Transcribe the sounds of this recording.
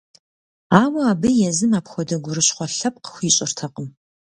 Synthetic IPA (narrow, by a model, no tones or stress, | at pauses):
aːwɐaːbɨjɛzɨmaːpxʷɔdɐɡʷʊrɨɕχʷɔɬɐp̚qə̥xʷiːɕʼɪrtʰɐqʼəm